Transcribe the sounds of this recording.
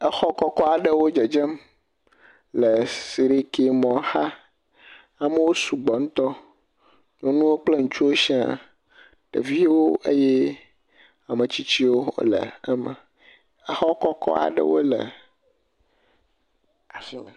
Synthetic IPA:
ə˦xɔ˦kɔ˦kɔ˦a˨ɖə˦wo˦d͡ʒe˨d͡ʒɛ˦m | lə˨si˨ɾi˦ke˨mɔ̃˨xa˦ | a˨mə˦wo˦su˨ɡ͡bɔ˨ŋũ˦t̪ɔ˦ | ɲɔ̃˦nũ˦wo˦k͡ple˦ŋũ˨t͡ʃu˦wo˦ʃi˦a̰˨ | ɖ̥ḛ˨vi˦wo˦ḛ˦jɛ˦ | a˨mə˨t͡ɕi˦t͡ɕi˦wo˦lə̰˨˦mə˨ | ə˦xɔ˦kɔ˦kɔ̰˦a̰˨ɖə̰˦wo̰˦lə̰˨ | a˨fi˨

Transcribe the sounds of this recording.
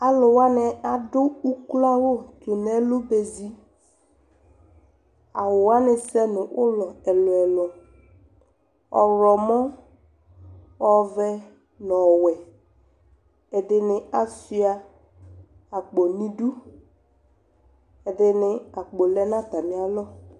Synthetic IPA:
a˨lʊ˨wa˦nɪ˨a˨dʊ˦u˦kla˦wo˦˨t̪ʊ˨nɛ˦lʊ˦be˨zi˦ | a˨wʊ˨wa˦nɪ˨sɛ˦nʊ˨ʔʊ˦lɔ˨ɛ˨lɔ˨ɛ˨lɔ˨ | ɔ˨ɾɔ˨mɔ̃˦ | ɔ˦vɛ˦ | nɔ˨wɛ˨ | ɛ˨dɪ˨nɪ˨a˨si˦a˨ | a˨k͡po˨nĩ˦du˦ | ɛ˨dɪ˨nɪ˨a˨k͡po˨lɛ˦nã˦t̪a˨mɪ̃˨˦a˦lɔ˦

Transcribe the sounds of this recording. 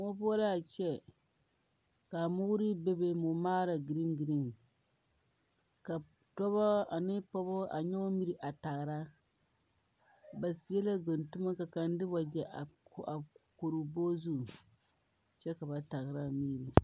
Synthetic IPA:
o˦pɔ˦la˦a˨t͡ʃɛ˦ | ka˨mʊ˦ɾi˦be˦be˦mʊ˨maː˦ɾa˨ɡi˨ɾi˦ŋɡi˨ɾi˦ŋ | ka˨ | tɔ˦βɔ˦a˨nɪ˦pɔ˦bɔ˦a̰˨ɲɛ˦o˦mi˦ɾi˨ʔa˨ta˨ɣɾa˦ | ba˨si˨jɛ˦la˦ɡʊ˨ntu˦ma˦ka˨ka˨n˦dɪ˦ba˨d͡ʒɛ˨ʔa˨˦a˨ko˨ɾu˨bo˦zu˦˨ | t͡ʃɛ˦ka˨ba˨ta˨ɣɾa˦miː˦ɾi˨

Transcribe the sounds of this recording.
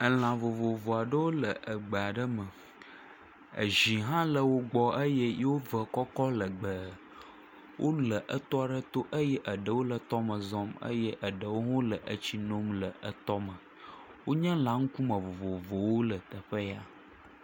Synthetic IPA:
ə˨l̃ã˨vo˨vo˨vo˨a˨ɖə˦wo˦lə˨ʔə˨ɡ͡bə˨a˨ɖə˦mə˨ | ə̰˨ʒi˨ɦã˦lə˨wo˦ɡ͡bɔ˦ʔə˦jə˦je˦wo˦və˨kɔ˦kɔ˦lə˨ɡ͡bə˨ | wʔo˦lə˨ʔə˦˨t̪ɔ˦a˨ɖə˦t̪o˦ʔə˦jɛ˦ʔə˨ɖə˨wo˦lə˨t̪ɔ˦mə̃˨zɔ˦mə̰˦jɛ˦ʔə˨ɖə˨wo˦ɦõ˦lə˨ʔə˦t͡ɕi˦nõ˦mlə˨ʔə˨t̪ɔ˦mə˨ | wo˦ɲə̃˦lã˨ŋ̩˦ku˦mə̃˨vo˨vo˨vo˨wo˦lə˨t̪ə˨ɸə˦ja˦

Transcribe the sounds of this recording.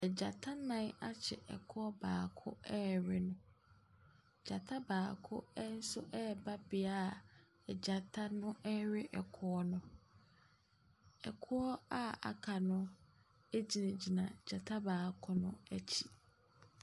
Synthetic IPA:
ɛ˨d͡ʑa˨tʰa˦nã˦na˦t͡ɕʰɛ̰˨ʔɛ˨kʰʊ˦ɔ˦baː˨kʰʊ̰˦ɛ˦ɾɪ˦nʊ̃˦˨ | d͡ʑa˨tʰa˦baː˨kʰʊ̰˦ɛ˦n̩˦sʊ˦ʔɛ˦˨ba˦bɪ˨a˦˨ | ɛ˨d͡ʑa˨tʰa˦nʊ̃˦ʔɛ˦ɾɪ˦ʔɛ˨kʰʊ˦ɔ˦nʊ̃˦ | ɛ̰˨kʰʊ˦ɔ˦a˦a̰˨kʰa˨nʊ̃˦ | e˦d͡ʑi˨nã˨d͡ʑi˨nã˨d͡ʑa˨tʰa˦baː˨kʰʊ˦nʊ̃˦æ˦t͡ɕʰi˨

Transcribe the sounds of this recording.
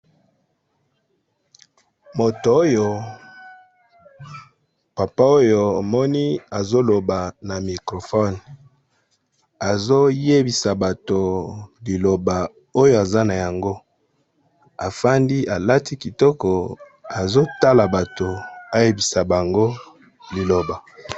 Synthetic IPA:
mo˨to˨˦jo˨ | pa˨pa˦o˦jo˨a˨mɔ˦ni˦a˨zo˦lo˨ba˨na˨mi˨kʁo˨fɔ˦˨n | a˨zo˦je˦bi˨sa˨ba˨to˨li˨lo˨ba˨ | o˦jo˦˨a˨za˦na˨ja˨ŋɡo˦ | a˨fa˦ndi˦ʔa˨la˦ti˦ki˨tɔ˦kɔ˨ | a˨zo˦ta˦la˨ba˨to˨a˦je˦bi˨sa˨ba˨ŋɡo˦ | li˨lo˨ba˨

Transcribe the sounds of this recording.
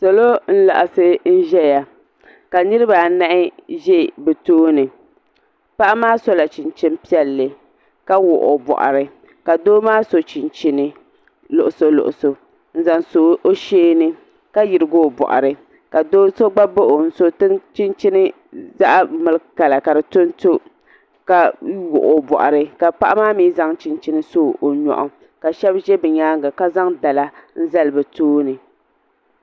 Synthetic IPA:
so˨lo˦n̩˦la̰˨ʔa˨sɨ˦n̩˦ʒɛ˦ja˨ | ka˨nɨ˦ɾɨ˦ba˨na˦ʔɪ˦ʒɛ˦˨bɛ˨toː˦nɨ˨ | pa˦ʔa˦maː˦so˦la˨t͡ʃi˨nt͡ʃɪ˦m˦pi˦ɛ˦lːɨ˨ | ka˦wʊ̰˨ʔo˨bɔ̰˨ʔa̰˨ɾɨ˨ | ka˨doː˦maː˦so˨t͡ʃi˨nt͡ʃi˦nɨ˦ | lʊ˨ʔʊ˨so˨lʊ̰˨ʔʊ˨so˨ | n̩˦˨za˨nso˨˦ʔo˦ʃeː˦nɨ˦ | ka˦jɪ˨ɾɨ˨ɡo˦˨bɔ̰˨ʔa̰˨ɾɨ˨ | ka˨doː˦so˦ɡ͡ba˦bo˦ʔo˨n̩˨so˦tɨ˦ŋt͡ʃi˦nt͡ʃi˦nɨ˦ | za˦ʔa˦mɨ˨lɨ˦ka˨la˨ka˨dɨ˨to˦n˦to˦ | ka˨wʊ˨ʔo˨bɔ̰˨ʔa̰˨ɾɨ˨ka˨pa˦ʔa˦maː˦miː˦za˦ŋt͡ʃi˦nt͡ʃi˦nɨ˦so˦ʔo˨ɲɔ̰˨ʔʊ̰˨ | ka˨ʃɛ˦bʒɛ˦bɨ˨ɲaː˦ŋɡa˨ka˦za˦ŋda˨la˦n̩˦za˦lɨ˦bɨ˨toː˦nɨ˨

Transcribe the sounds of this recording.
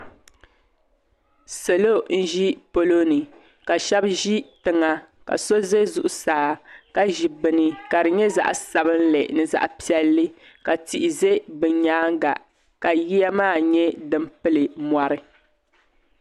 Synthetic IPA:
se˨lo˦n̩˦ʒi˦po˨lo˦nɨ˨ | ka˨ʃɛ˦bʒi˦tɨ˨ŋa˨ | ka̰˨so˦ze˦zu˨ʔʊ˦saː˨˦ka˦ʒi˨bɨ˨nɨ˨ka˨ɾɨ˨ɲɛ˦za̰˦ʔsa˨bɨ˦n̩˦lɛ˨ʔnɨ˨za̰˨ʔpi˦ɛ˦lːɨ˦ | ka˨ti˨ʔɪ˨ze˦bɨ˨˦ɲaː˦ŋ˦ɡa̰˨ | ka˨ji˦ja˦maː˦˨ɲɛ˦dɨ˦mpɨ˦lɨ˨mwa˨ɾɨ˦

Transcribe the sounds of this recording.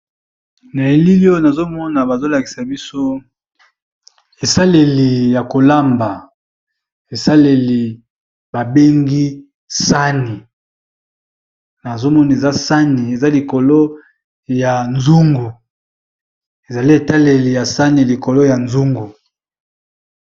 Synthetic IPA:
na˨e˨li˦li˦o˦na˨zo˦mɔ˦na˨ba˨zo˦la˨ki̥˨sa˨bi˦so˦ | e˨sa˦le˨li˨ja˨ko˨la˦mba˨ | e˨sa˦le˨li˨ | ba˨be˦ŋɡi˦ | sa˦ni˨ | na˨zo˦mɔ˦na˨e˨za˦sa˦ni˨e˨za˦li˨ko˨lo˦ | ja˨nzu˦ŋɡu˨ | e˨za˨li˦e˨ta˦le˨li˨ja˨sa˦ni˨li˨ko˨lo˦ja˨nzu˦ŋɡu˨

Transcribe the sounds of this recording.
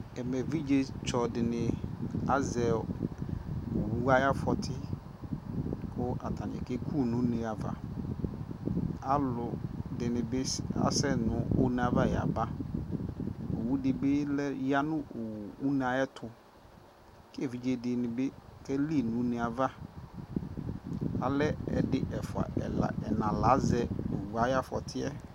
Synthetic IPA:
ɛ˨mɛ˨vi˦d͡ʒe˦t͡ʃɔ˨dɪ˨nɪ̃˨a˦zɛ˨ | o˨wu˦a˦ja˦fɔ˨tʰɪ˦ | kʊ˦ʔa˨tʰa˨n˨ɛ̰˨kɛ˦kʰu˦˨nʊ̃˦ne˨a˨va̰˨ | a˦lʊ˨dɪ˨nɪ̃˨bɪ˦a̰˨˦sɛ˦nʊ̃˨˦o˦n˨a˨va˦ja̰˨ba˦˨ | o˨wu˦dɪ˨bɪ˦lɛ˦ja˦nʊ̃˦˨u˦na˨ɛ˦tʰʊ˨ | kvi˨d͡ʒe˦dɪ˨nɪ̃˨bɪ˦kɛ˦li˦˨nʊ̃˨˦nɪ̃˨a˨va˦ | a˨lɛ˦ɛ̰˨dɪ˦ʔɛ˨fʊ˨a̰˨ɛ̰˨la̰˨ʔɛ˨nã˨la˨˦zɛ˦u˨wa˨˦ja˦fɔ̰˨tʰɪ˦ɛ˦

